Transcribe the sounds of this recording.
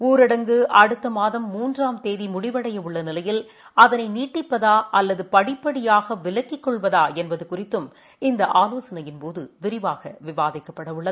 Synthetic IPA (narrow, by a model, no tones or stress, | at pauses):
uːɾɪɽɐŋɡɯʔɐɽɯt̪ːɐmaːðɐmːuːndraːmt̪eːðimʊɽɪʋɐɽɐjɐʊɭːɐnɪlɐjɪl | ɐðɐnɐɪniːʈːɪpːɐðaːʔɐlːɐðɯpɐɽɪpːɐɽɪjaːɣɐʋɪlɐkːɪkːɔɭʋɐðaːɛnbɐðɯkʊrɪt̪ːɯm | ɪnd̪ɐʔaːloːsɐnɐjɪnpoːðɯʋɪɾɪʋaːɣɐʋɪʋaːðɪkːɐpːɐɽɐʊɭːɐðɯ